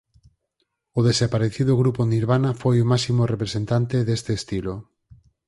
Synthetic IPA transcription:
ʊðesapaɾeθiðoɣɾuponiɾβanafojomasimorepɾesent̪ant̪eðest̪eːst̪ilo

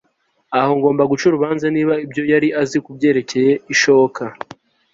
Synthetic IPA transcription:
aho̞ŋɡo̞ːmbaɡut͡ʃuɾuβaːnzaniːβaibjo̞jaɾiʔazikubɟe̞ːɾe̞ce̞je̞iʃo̞βokʰa

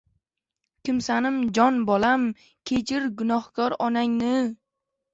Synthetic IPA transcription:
kʲɪmsanɪmd͡ʒɒnbɒlam | kʲʰet͡ʃʰɪɾɡʊnɒhkɒɾɒnaŋnɪ

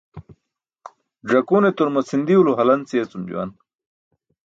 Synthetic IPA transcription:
ɖɐkunet̪oɾmɐsind̪iuluɦɐlɐnt͡siɐt͡sumd͡ʑṵwɐ̰n

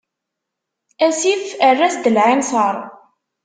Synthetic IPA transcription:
æsifərːæsd̪əlʕinsəɾˤ

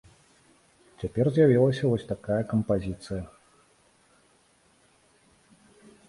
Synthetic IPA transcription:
t͡sʲapʲɛrzʲjavʲilˠɐsʲɐvɔsʲt̪akajɐkɐmpazʲit̪sɨjɐ

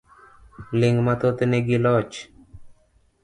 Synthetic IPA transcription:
lɪŋmat̪ot̪eneɡilɔt͡ʃ

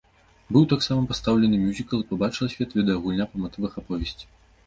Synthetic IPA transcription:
bɨwt̪aksamɐpast̪awlʲɛnɨmʲjuzʲikɐlˠipabat͡ʂɨlˠɐsʲvʲɛt̪vʲid̪ɛjɐɣulʲnʲapɐmat̪ɨvɐxapɔvʲɛsʲt͡sʲi̥

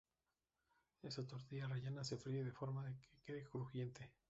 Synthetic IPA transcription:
e̞sat̪o̞ɾt̪iareʝenase̞fɾieðefo̞ɾmaðekʰekeðekɾuxje̞nt̪e

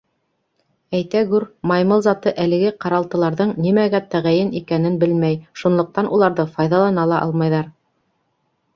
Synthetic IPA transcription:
æjt̪æɡʉɾmɑjmɤlˠzɑt̪ɤʔælɘ̆ɡɘqɑɾɑlˠt̪ɤ̆lˠɑɾðɤɴnimæɡæt̪æʁæjɘnikænɘnbɘlmæjʃunlˠŏq̚t̪ɑnʔulˠɑɾðɤfɑjðɑlˠɑnɑlˠɑʔɑ̰lˠmɑjðɑɾ

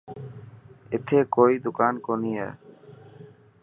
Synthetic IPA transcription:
et̪ʰekojd̪ukankonija̰

